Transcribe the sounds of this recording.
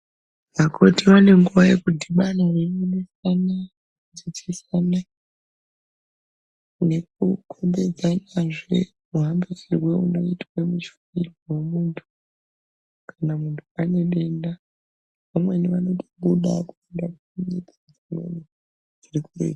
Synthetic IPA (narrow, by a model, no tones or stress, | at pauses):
ʋakʰotiʋane̞ŋɡuʋaje̞kudʱiɓanaremunisana | d͡zit͡ʃisana | ne̞k̚ukʰo̞mbe̞d͡zanaʐe̞̰ | muɦambefirweuno̞̰itwemut͡ʃunirwowemuntʰu̥ | kʰanamuntʰuane̞ɓe̞nda | ʋamwe̞niʋano̞toɓuɗa̰ku̥endakuuɲikid͡zimwḛni | d͡zirikurḛk